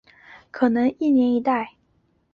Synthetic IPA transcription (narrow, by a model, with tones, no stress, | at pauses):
kʰɤ˨˩nɤ˧˥ŋi˥˩njɛ˧˥ni˧˥t̪a˥˩ɪ